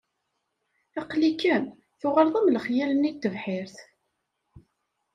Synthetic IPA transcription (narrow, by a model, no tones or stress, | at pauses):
æqlikːəm | θʊʁəɾðˤəmləχjælənit̪ːəvħɪɾθ